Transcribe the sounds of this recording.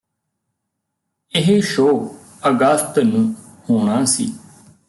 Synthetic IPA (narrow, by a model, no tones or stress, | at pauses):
ɪɦeʃoː | əɡəst̪nũː | hoːɳ̃aːsḭː